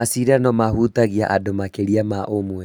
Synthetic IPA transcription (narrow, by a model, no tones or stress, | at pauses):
asiɾanɔmahutaɣiaʔadomakeɾiamaʔomwɛ